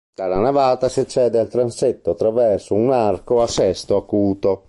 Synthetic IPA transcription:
d̪̥alːanavaːt̪asiat͡ʃːɛːd̪ealt̪ɾanset̪ːoat̪ːɾavɛrsounarkoasɛst̪oakuːt̪o

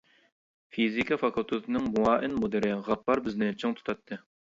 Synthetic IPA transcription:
fizikʰɑfɑkʰulˠt̪ʰɨt̪ʰɨnɨŋmuɑːʔɪnmod̪ɨɾɪʁɑpːɑɾbɪznɪt͡ʃʰɨŋt̪ʰu̥t̪ʰɑt̪ʰːɨ

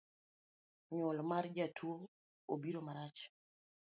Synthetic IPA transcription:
ɲʊlmard͡ʒatʰwo | obiɾomaɾat͡ʃ

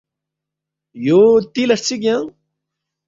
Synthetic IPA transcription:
joːt̪ilɐʂt͡sʰiɡjãŋ

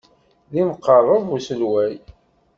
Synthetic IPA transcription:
ðiməqːərˤːəðusəlwæj

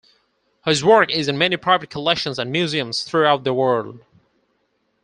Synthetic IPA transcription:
hɪzwɜ˞kɪzɨ̃nmɛnipʰɹ̥aɪvɨt̚kʰəlɛkʃə̃nzə̃nmjʉziə̃mz̥θɹuaʊt̪̚ðəwɜ˞lˠd̚

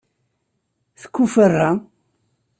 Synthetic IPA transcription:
θə̥kʷːufərːa

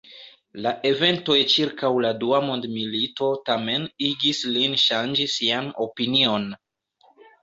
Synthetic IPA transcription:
laʔe̞ve̞nto̞jt͡ʃiɾkawladuamo̞ndmilito̞tame̞niɡislinʃand͡ʒisiano̞pinio̞n

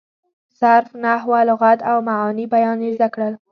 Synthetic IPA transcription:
z̥aɾfnahwalʊɣad̪awmaʕɑnibajɑnezd̪akɽəl

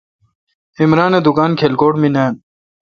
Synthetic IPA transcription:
imɾaːned̪ukaːnkʰelkoːʈminaːn

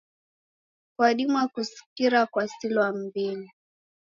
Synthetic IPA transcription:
kwaɗimwakusi̥kiɾakwasilwam̩bili

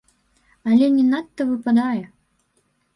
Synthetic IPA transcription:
ɐlʲɛnʲɛnat̪ːɐvɨpad̪ajɛ

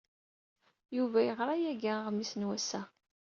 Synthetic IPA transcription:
juvæjəʁɾˤɑjæɡæʁmisnwæsæ

